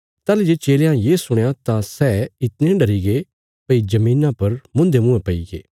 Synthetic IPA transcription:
t̪aːlid͡ʒeːt͡ʃeːljãjeːsʊɽ̃jãt̪ãsɛːɪt̪nẽɖɐɾiɡe | pɐid͡ʒɐmĩːnãpɐɾmʊ̃nd̪emʊ̃epɐiɡḛː

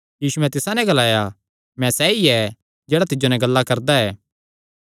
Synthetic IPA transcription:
jiːsuɛ̃t̪ɪsãnɛ̃ɡɐlaːja | mɛ̃sɛːiɛ | d͡ʒɛːɽat̪ɪd͡ʒonɛ̃ɡɐlːakɐɾd̪aɛː

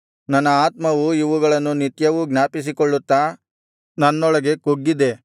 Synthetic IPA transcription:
nɐnːɐaːt̪mɐʋuiʋuɡɐɭɐnːunit̪jɐʋuɡnaːpis̬ikoɭːut̪ːaː | nɐnːɔɭɐɡe̞koɡːid̪e̞

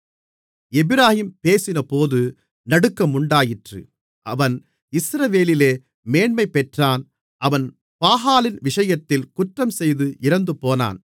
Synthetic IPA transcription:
ɛbɪɾaːhiːmpeːsɪnɐpoːðɯ | nɐɽɯkːɐmʊɳɖaːjɪʈrɯ̰ | ʔɐʋɐn | ɪsɾɐʋeːlɪleː | meːɳmɐɪpːɛʈraːn | ʔɐʋɐn | paːɦaːlɪnʋɪʂɐjɐt̪ːɪlkʊʈrɐmsɛjðɯʔɪɾɐnd̪ɯpoːna̰ːn

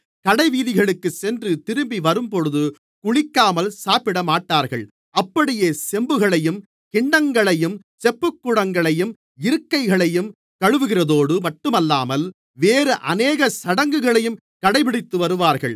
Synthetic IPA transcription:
kɐɽɐɪʋiːðɪɣɐɭɯkːɯsɛndrɯt̪ɪɾɯmbiʋɐɾɯmpɔɻɯðɯ | kʊɻɪkːaːmɐlsaːpɪɽɐmaːʈːaːɾɣɐɭ | ɐpːɐɽɪjeːsɛmbɯɣɐɭɐjɯm | kɪɳːɐŋɡɐɭɐjɯm | sɛpːɯkːʊɽɐŋɡɐɭɐjɯm | ɪɾɯkːɐɪɣɐɭɐjɯm | kɐɻɯʋɯɣɪrɐðoːɽɯmɐʈːɯmɐlːaːmɐl | ʋeːɾɯʔɐneːɣɐsɐɽɐŋɡɯɣɐɭɐjɯm | kɐɽɐɪpɪɽɪt̪ːɯʋɐɾɯʋaːɾɣɐɭ

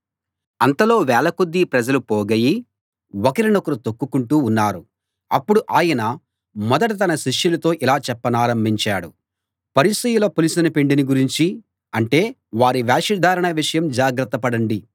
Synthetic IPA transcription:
ɐnt̪ɐlo̞ːʋɛːlɐkud̪ːipɾɐd͡ʒɐlupɔːɡɐji | wɔkɐɾinokɐɾut̪okːukuɳʈuːnːaːɾu | ɐpːuɽuʔaːjɐnɐ | mɔd̪ɐʈ̬ɐt̪ɐnɐʃiʂjulɐt̪o̞ːʔilaːt͡ʃɛpːɐnaːɾɐmbʱiɲt͡ʃaːɽu | pɐɾisɐjuloːpulisɐnɐpe̞ɳɖiniɡuɾiɲt͡ʃi | ɐɳʈe̞ː | ʋaːɾiʋaːʂid̪ʱaːɾɐɳɐʋiʂɐjɐmd͡ʒaːɡɾɐt̪ːɐpɐɽɐɳɖi

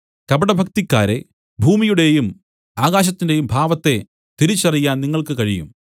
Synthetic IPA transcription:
kɐbɐɽɐbʱɐk̚t̪ikːaːɾe̞̰ | bʱuːmijuɽe̞jum | aːɣaːɕ̬ɐt̪ːinde̞jumbʱaːʋɐt̪ːe̞ | t̪iɾit͡ɕːɐrijːaːnniŋːɐɭkɨkɐɻijṵm

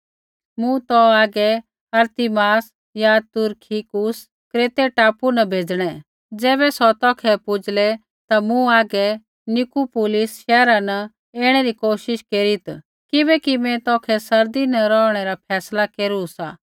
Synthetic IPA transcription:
mʊ̃t̪ɔaːɡɛ | ɐɾt̪ɪmaːs | jat̪ʊɾkʰikʊs | kɾeːt̪eʈaːpunɐbʱeːd͡zɽ̃ɛ | d͡zɛːβɛsɔt̪ɔːkʰɛpʊd͡ʒlɛ | t̪amũaːɡɛ | nʊkupʊːlɪsʃɛːɾanɐ | eːɽ̃ɛɾikoːʃɪʃkeːɾit̪ | kɪbɛkimɛ̃t̪ɔːkʰɛsɐɾd̪inɐɾɔːɽ̃ɛɾapʰɛːslakeːɾusa̰ː

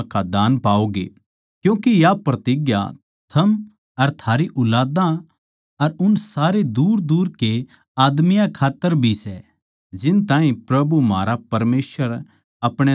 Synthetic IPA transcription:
kad̪aːnpaːoɡḛ | kjũːkijapɾɐt̪iɡja̰ | t̪ʰɐm | ɐɾt̪ʰaːɾiʔʊlaːd̪ã | ɐɾʊnsaːɾed̪uːɾd̪uːɾke | aːd̪mɪjãkʰaːt̪ːəɾbʱisɛ | d͡ʒɪnt̪ãːɦĩpɾɐbumaːɾapɐɾmeːswəɾ | ɐpɽ̃e

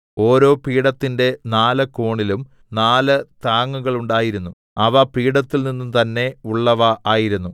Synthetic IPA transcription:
o̞ːɾo̞ːpiːɽɐt̪ːinde̞naːlɐkoːɳilum | naːlɐt̪aːŋːuɣɐɭuɳɖaːjiɾunːu | ɐʋɐpiːɽɐt̪ːilninːumt̪ɐnːe̞uɭːɐʋɐʔaːjiɾunːu

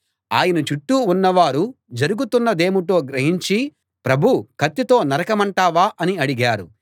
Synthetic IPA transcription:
a̰ːjɐnɐt͡ʃuʈːuːunːɐʋaːɾu | d͡ʒɐɾuɡut̪unːɐd̪e̞ːmuʈo̞ːɡɾɐɦiɲt͡ʃi | pɾɐbʱukʰɐt̪ːit̪o̞ːnɐɾɐkɐmɐɳʈaːʋaːʔɐniɐɽiɡaːɾu

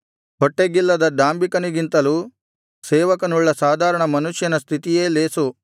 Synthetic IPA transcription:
ɦoʈːeɡilːɐd̪ɐɖaːmbikɐniɡint̪ɐluː | sɛːʋɐkɐnuɭːɐsaːd̪ʱaːɾɐɳɐmɐnuʃjɐnɐst̪ʰit̪ijeːleːsu

